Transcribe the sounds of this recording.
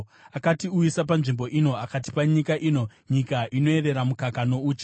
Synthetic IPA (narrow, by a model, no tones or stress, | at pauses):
akatiujisap̬anʐimbo̞ʔino̞akat̬i̥paɲikaʔiːno̞ɲikaʔino̞ere̞ɾamukakano̞uːt͡ʃi̥